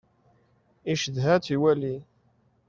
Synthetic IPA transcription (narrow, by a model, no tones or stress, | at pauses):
iʃəðɦæt̪iwæli